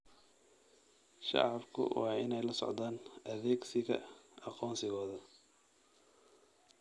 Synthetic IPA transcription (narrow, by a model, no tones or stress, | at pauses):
ʃɑ̰ʕɑbkʰʊ̰wɑːɪ̰nɛjlɐsɔ̰ʕd̪aːnʔɐðɛːɡsɪɣɐ̰ɑqɔːnsɪɣɔːðɐ